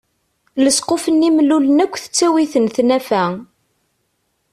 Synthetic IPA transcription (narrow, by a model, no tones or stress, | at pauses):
ləsqofənːimlulənækʷːθə̥t͡sːæwiθənθnæfæ